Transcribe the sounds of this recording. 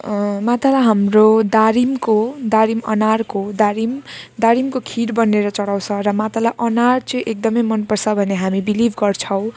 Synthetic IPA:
mat̪alaɦamrod̪aɾimkod̪aɾimʌ̰narkod̪aɾimd̪aɾimkokʰiɾbʌnːeɾʌt͡sʌɽaw̃t͡sʰʌrʌmat̪alaʔʌnart͡sʌĩʔek̚d̪ʌmʌjmʌnpʌrsʰʌbʱʌneɦamibilibʱɡʌrt͡sʰʌw̃

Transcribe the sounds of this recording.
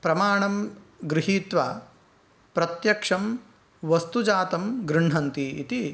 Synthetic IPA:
pɾɐmaːɳɐmɡɾiɦiːt̪ʋɐ | pɾɐt̪jɐkʂɐm | ʋɐst̪ud͡ʒaːt̪ɐmɡɾiɳɦɐnt̪iːt̪i

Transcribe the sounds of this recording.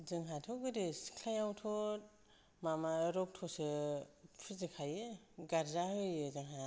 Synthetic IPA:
zɯŋɦatʰɔɡɯdiskʰlajawtʰɔt̚ | mamaɾɔk̚tʰɔsɯpʰɯzɯkʰajɯ | ɡaɾzahɯjɯzɯŋɦa

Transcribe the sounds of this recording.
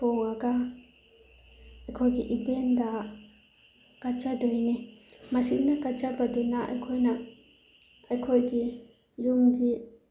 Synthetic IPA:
ɔŋaɡa | ajkʰɔjɡiʔibenda | kat͡ʃadɔjnɛmasiʔnakat͡ʃabadunaʔa̰jkʰɔjna | ajkʰɔjɡi | jumɡi

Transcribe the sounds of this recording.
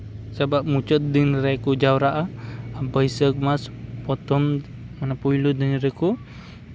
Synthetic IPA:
sabap̚mut͡ʃɔt̪̚d̪inɾekud͡ʒawɾaʔaabəisək̚maspɔt̪ɔm | manapuilud̪inɾeku

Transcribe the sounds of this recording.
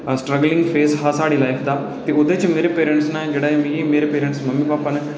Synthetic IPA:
sʈɾəɡlɪ̃ŋɡfʰeːsɦasaːɽilaːɪfʰd̪aː | t̪eʊd̪et͡ʃmeːɾepeːɾə̃ɳʈsnãːd͡ʒeːɽaːɦemĩemeːɾepeːɾə̃ɳʈsmɐmːibaːpaneː

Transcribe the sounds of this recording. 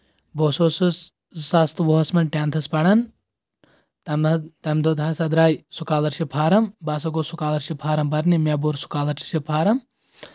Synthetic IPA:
boːsos | sast̪ʋoɦɐsmɐnʈʲaːnt̪ʰɐspɐɽɐn | t̪ɐmd̪od̪ʱaːsɐd̪ɾaːjsukaːlɐɾʃipʰaːɾɐmbaːs̬ɐɡoːsukaːlɐɾʃipʰaːɾɐmbɐɾnimeboɾsu̥kaːlɐɾʃipʰaːɾɐm

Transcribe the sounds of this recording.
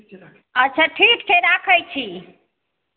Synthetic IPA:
ətːt͡ʃʰaʈʰikkeɾakʰəjt͡ʃʰi

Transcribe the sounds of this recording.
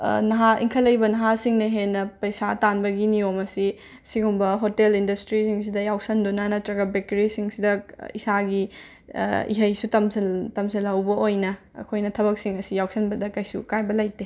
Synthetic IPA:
nɐɦaḭŋkʰɐlɐjbɐnɐɦasiŋnɐɦenːɐpɐjsatanbɐɡiniomɐsi | siɡumbɐɦotelindɐstɾisiŋs̬idɐjawsɐndunanɐtɾɐɡɐbekeɾisiŋsidɐisaɡi | ḭɦɐjsutɐmsɐtɐmsɐlhɐwbɐojnɐ̰ː | kʰojnɐtʰɐbɐk̚siŋɐsijawsɐnbɐdɐkɐjsṵkajbɐlɐjte

